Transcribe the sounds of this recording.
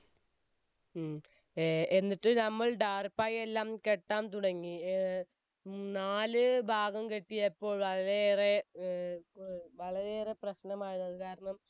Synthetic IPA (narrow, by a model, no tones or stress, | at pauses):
enːiʈːɨnɐmːɐɭɖaːrpajelːaːmke̞ʈːaːmt̪uɽɐŋːi | naːlɨbʱaːɡɐmkeʈːijɐpːo̞ːɭʋɐɭɐɾere | ʋɐɭɐɾeːreprɐɕnɐmaːɻunːɐðɨkaːɾɐɳɐm